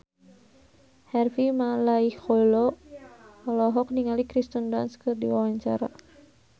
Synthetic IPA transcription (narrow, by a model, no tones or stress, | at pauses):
hɛrfimalaixɔlɔ | ɔlɔɦɔk̚niŋalikɾist̪unda̰nskɨrdḭwawaɲt͡ʃa̰ɾa̰